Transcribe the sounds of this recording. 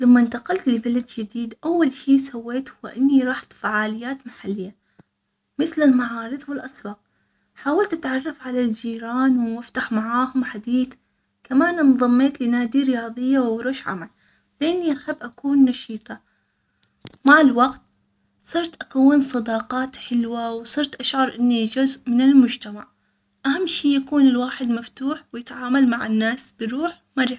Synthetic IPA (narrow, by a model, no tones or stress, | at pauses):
lamːaʔɪnt̪aqɑlt̪ɪlbalad̪d͡ʒɪd̪iːd̪ʔawːalʃiːsawːeːt̪hʊːaʔɪnːiɾˤɑːħt̪faʕaːlɪjːaːt̪maħalːɪjːa | mɪθlɪlmaʕɑːɾˤɨðˤwɪlʔaswɑːq̚ | ħaːwalt̪ʔat̪ʕɑrˤːɑfʕalald͡ʒiːɾaːnwmɪft̪aħmaʕaːhʊmħad̪iːθ | kamaːnɪnðˤɑmːeːt̪lɪnaːd̪iɾɪjɑːðˤɨjːawɾoːʃʕa̰mal | lɪʔɪnːiʔaħabːʔakuːnːɑʃiːt̪ˤɑ | maʕɪlwaɡt̪ | sˤɨɾˤt̪ʔakawːɪnsˤɑd̪ɑːqɑːt̪ħɪlwawsˤɨɾt̪ʔaʃʕɑɾˤʔɪnːid͡ʒʊzʔmɪnɪlmʊd͡ʒt̪amaʕ | ʔahamːʃiːjakuːnɪlwaːħɪd̪maft̪uːħwjɪt̪ʕaːmalmaʕɪnːaːsb̥ɪɾuːħ | maɾˤħ